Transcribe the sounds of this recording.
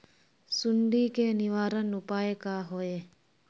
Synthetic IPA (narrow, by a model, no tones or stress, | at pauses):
suɳɖiːkeniʋaːɾənupaːjekaɦoe